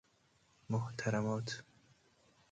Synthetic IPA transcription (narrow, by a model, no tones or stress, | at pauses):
mʊht̪ʰaɾamɔːt̪ʰ